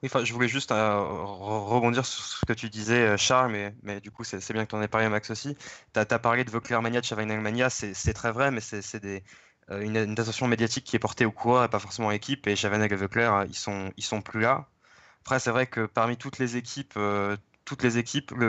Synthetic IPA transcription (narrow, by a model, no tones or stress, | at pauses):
wiɑ̃fɛ̃ʒəvulɛʒyst̪ | ʁəʁəbɔ̃d̪iʁsy̥ʁsə̥kət̪ʰyd̪izɛøʃaʁlmɛmɛd̪ykusɛsɛbjɛ̃kt̪ɑ̃nɛpaʁlemaksosit̪at̪yapaʁled̪əvəklɛʁmanjad̪əʃavanɛlmanjasɛsɛt̪χɛvʁɛmɛsɛsɛd̪e | øynnd̪at̪̬ɑ̃sjɔ̃med̪jat̪ikʲʰːiɛpɔʁt̪eokʰuʁœʁepafɔʁsemɑ̃lekʲipeʃavanɛɡəvəklɛʁḭsɔ̃ilsɔ̃plyla | apχɛsɛvʁɛkəpaʁmit̪ut̪lezekʲʰipʰø | t̪ut̪lezekʲʰiplə